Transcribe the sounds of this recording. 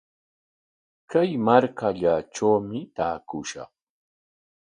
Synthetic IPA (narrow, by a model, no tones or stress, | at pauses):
kajmaɾkaʎaʈ͡ʂawmɪt̪aːkʊʃɑ̰χ